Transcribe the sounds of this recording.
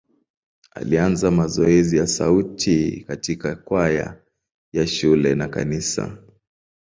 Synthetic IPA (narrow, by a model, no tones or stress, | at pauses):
a̰lianzamazɔɛzijasautʰikatikakwaja̰ | jaʃulɛnaka̰nisa̰